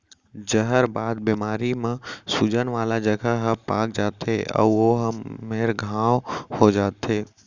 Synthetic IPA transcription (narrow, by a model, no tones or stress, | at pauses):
d͡ʒəɦəɾbaːd̪̚bimaːɾimẽsud͡ʒənʋaːlad͡ʒəɡʱaɦəpaːk̚d͡ʒaːt̪eʔɔ̰ːoɦmeːɾɡʱãːwhod͡ʒaːt̪ʰeː